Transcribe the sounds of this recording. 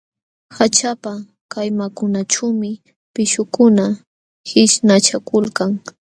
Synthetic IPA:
hat͡ʃapa | kajmakʊnat͡ʃawmɪ | pɪʃʊkʊna | hɪʃnat͡ʃakʊlkaŋ

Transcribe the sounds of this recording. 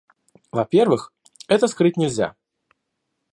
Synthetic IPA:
vɐpʲervɨx | ɛt̪əskɾɨt̚ʲnʲɪlʲzʲa̰

